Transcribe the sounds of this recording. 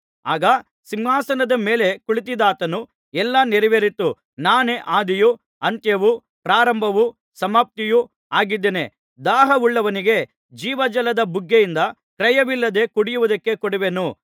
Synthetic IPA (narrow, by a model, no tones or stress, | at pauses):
aːɡɐ | siŋɦaːsɐnɐd̪ɐmeːle̞kuɭit̪̬id̪aːt̪ɐnu | ɛlːɐneɾiʋeɾit̪ːu | naːneʔaːd̪iju | ɐnt̪jɐʋu | pɾaːɾɐmbʱɐʋu | sɐmaːp̚t̪iju | aːɡid̪ːeːne̞ | d̪aːɦɐʋuɭːɐʋɐniɡe̞ | d͡ʒiːʋɐd͡ʒɐlɐd̪ɐbuɡːejind̪ɐ | kɾɐjɐʋilːɐd̪e̞kuɽijuʋud̪ɐkːe̞kɔɽiʋenu